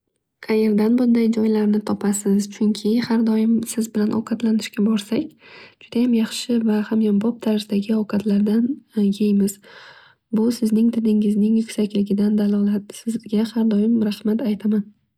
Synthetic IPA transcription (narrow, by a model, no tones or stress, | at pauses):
qʰɑje̞ɾd̪anbʊnd̪ajd͡ʒɒjlaɾnɪt̪ʰɒpʰasɪzt͡ʃʰʊŋkʲʰɪhaɾd̪ɒjɪmsɪzbɪlanʔɒ̰wqʰɑt̪lanɪʃkʲabɒɾsakʲd͡ʒʊd̪ajamjɑχʃɪvahamjambɒp̚t̪ʰaɾzɪd̪aɡʲɪɒwqʰɑt̪laɾd̪anjejmɪz̥ | bʊsɪznɪŋt̪ʰɪd̪ɪŋɪznɪŋjʊkʲsakʲlɪɡʲɪd̪and̪alˠɒlˠat̪sɪzɡʲahaɾd̪ɒjɪmɾahmat̪ʰajt̪ʰaman